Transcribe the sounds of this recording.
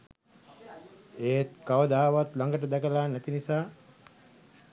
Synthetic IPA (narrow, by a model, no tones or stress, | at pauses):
eːt̪kaʋəd̪aːʋat̪laŋɡəʈ̬əd̪ɛkəlaːnæt̪inisaː